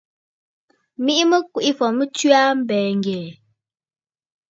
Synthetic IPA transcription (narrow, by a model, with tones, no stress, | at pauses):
mi˦ʔi˦mə˦kwi˨ʔi˦fɔ˨mə˦t͡ʃɥa˦m̩˦bɛː˨ŋ˨ɡɛ˨